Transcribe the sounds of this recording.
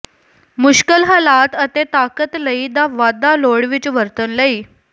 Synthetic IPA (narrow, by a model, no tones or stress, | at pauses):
muɕkəlɦalat̪ət̪et̪akət̪ləid̪aʋad̪aloɽʋit͡ɕʋəɾt̪ənləi